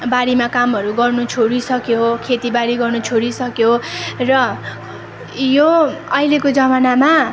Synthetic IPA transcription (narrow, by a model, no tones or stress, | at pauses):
baɽimakamʌɾuɡʌrnut͡sʰoɾisʌkjokʰet̪ibaɽiɡʌrnut͡sʰoɽisʌkjorʌ | joʌilekod͡zʌmanama